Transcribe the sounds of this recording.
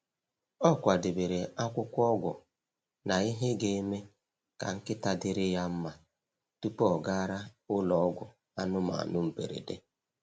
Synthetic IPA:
ɔ˦kʷa˨dɪ˨be˨ɾe˨a˦kʷʊ˦kʷɔ˦ɡʷʊ̰˨ | na˨i˦ɦe˦ɡe˦e˦me˦ | ka̰˨ŋ̩˦kɪ˦ta˦dɪ˦ɾɪ˦ja˦m̩˦ma˨ | tu˦pɔ˦ɔ˨ɡa˦ɾa˦ʊ˦lɔ˨ɔ˦ɡʷʊ̰˨ | a˦nʊ˦ma̰˨a˨nʊ˦m̩˨pḛ˨ɾḛ˨dḛ˦

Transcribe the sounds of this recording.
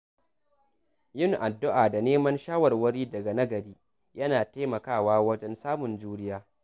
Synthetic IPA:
jʊ˦˨ŋʔa˨dːʊ˦ʔaː˨da˨neː˦mɐ˦nʃaː˦wɐ˨rwɐ˦ɽiː˦dɐ˨ɡa˨nɐ˦ɡɐ˨ɾiː˦ | jɐ˦naː˨taː˦mɐ˨kaː˦˨waː˦wɐ˦d͡ʒɛ˦nsaː˦mʊ˨nd͡ʒuː˦ɾɪ˦jaː˦

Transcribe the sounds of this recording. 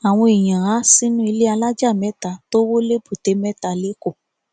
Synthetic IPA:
a˨w̃ɔ̃˧e˨j̃ã˨ɾa˨˦si˦nũ˦i˧le˦a˧la˦d͡ʒa˦˨mɛ̃˦ta˧˨to˦wo˦le˦bu˨te˨˦mɛ˦ta˧˨le˨˦ko˦˨

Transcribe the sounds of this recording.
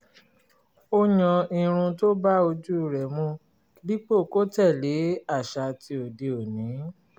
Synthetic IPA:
o˦ɲɔ̃˧i˧ɾ̃ũ˧to˦ba˦o˧d͡ʒu˦˨ɾɛ˨mũ˧˨˦ | li˦k͡po˦˨ko˦tɛ˦˨le˨˦a˦˨ʃa˧tʰi˧o˨de˧o˨nĩ˨˦

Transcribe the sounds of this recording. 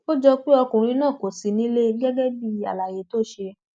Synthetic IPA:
o˦d͡ʒɔ˧k͡pi˦ɔ˧kũ˨ɾ̃ĩ˧˦nãː˦˨ko˨si˨˦nĩ˦le˦ɡɛ˦ɡɛ˦bi˦a̰˨la˨je˨˦to˦˨ʃe˧

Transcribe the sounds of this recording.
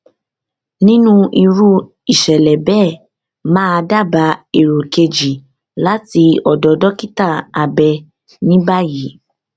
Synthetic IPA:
nĩ˦nũ˦ʔi˧ɾu˦ | i˨ʃɛ˨lɛ˨bɛ˦˨ | mãː˦˧da˦˨ba˨˦e˦˨ɾo˨ke˧d͡ʒi˨ | la˦ti˧ɔ˨dɔ˨˧dɔ˦ki˦ta˦˨a˨bɛ˧ | nĩ˦ba˦ji˨˦

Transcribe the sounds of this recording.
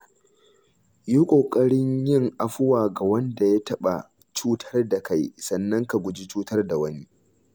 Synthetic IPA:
juː˦kʷʼoː˨kʼɐ˦ɽɪ˦ɲjɪ˦˨ŋʔa˨ɸʊ˦waː˨ɡa˨wɐ˦nda˨ja˦tɐ˦ɓa̰˨ | t͡ʃuː˦tʰɐ˦rda˨ka˦jsɐ˨nːɐ˦ŋka˨ɡʷʊ˨d͡ʒi˦t͡ʃuː˦tɐ˦rda˨wɐ˦ni˦

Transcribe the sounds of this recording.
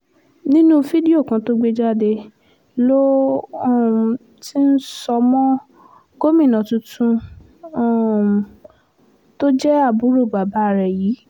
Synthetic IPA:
nĩ˦nũ˦fi˦di˦o˦˨kã˨˧to˦ɡ͡be˧d͡ʒa˦de˧ | lo˦ɔ˦˨ | ti˦n̩˦sɔ˧mɔ̃˦ | ɡ̥o˦mĩ˦˨nã˨tũ˧tʰũ˧˦˨ | to˦d͡ʒɛ˦a˦˨bu˨˦ɾo˦˨ba˨ba˨˦˨ɾɛ˨jiː˨˦

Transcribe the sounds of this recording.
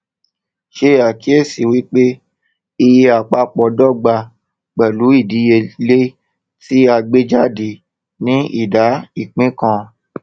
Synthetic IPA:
ʃe˦˨a˨ki˨˦e˦˨si˨wi˨˦k͡pe˦ | i˧je˧a˨k͡pa˧˦k͡pɔ˧dɔ˦˨ɡ͡ba˧ | k͡pɛ˨lu˨˦i˦˨di˨˦je˧le˦ | si˦a˧ɡ͡be˦d͡ʒa˦˨di˧˨ | nĩ˦ḭ˦˨da˨˦i˦˨k͡pĩ˦kã˧

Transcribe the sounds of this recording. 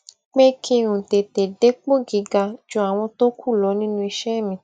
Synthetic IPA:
k͡pe˦kʰĩ˧ɾũ˨te˨te˨de˨˦k͡po˦ɡi˨˦ɡa˧d͡ʒõ˧˦a˨w̃ɔ̃˧to˦kʰu˦˨lɔ˨˦nĩ˦nũ˦˧i˧ʃɛ˦˨mĩ˧

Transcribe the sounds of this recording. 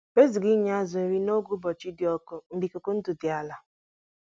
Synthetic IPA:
be˦zi˨ɡi˦ɲ˦a˦zʊ˨e˨˦ɾi˦no˦ɡu˦bɔ˨t͡ʃi˦dɪ˨ɔ˦kʊ˦n̩˦di˨ko˨kʊ˦n̩˦tʊ˨dɪ˨a˨la˨

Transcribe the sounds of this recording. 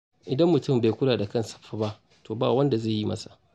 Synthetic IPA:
ʔɪ˨dɐ˦mːʊ˨tʊ˦˨mbe˨jkʷʊ˦laː˨da˨kɐ˦˨nsɐ̥˨ɸːa˦ba˦ʔ | toː˨baː˦˨wɐ˦nda˨ze˦˨ji˦mɐ̰˦sa˨ʔ

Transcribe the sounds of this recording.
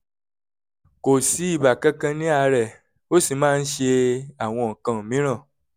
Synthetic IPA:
ko˨si˨˦i˦˨ba˨kɛ̃˦kã˧nĩ˦a˧ɾɛ˨ | o˦si˦˨mãː˦n̩˦ʃe˧a˨w̃ɔ̃˧ŋ̩˨kã˧˨mĩ˨˦ɾ̃ã˦˨

